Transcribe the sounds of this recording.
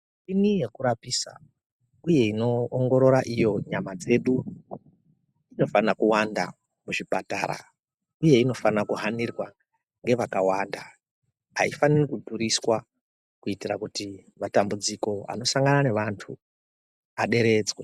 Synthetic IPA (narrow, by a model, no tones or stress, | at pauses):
inijekuɾapisa̰ | uje̞ino̞ːŋɡo̞ɾo̞ɾaʔijo̞ɲamad͡ze̞ːɗu | ino̞fanakuwanda̰ | muʐipata̰ːɾa̰ | uje̞ino̞fanakuɦanirwa | ŋɡe̞ʋakawaːnda | ɦa̰ifanirikudʱuɾiswa | kuitirakutimatambud͡ziko̞a̰no̞saŋɡanane̞ʋantʰu | aɗe̞ɾe̞d͡zwe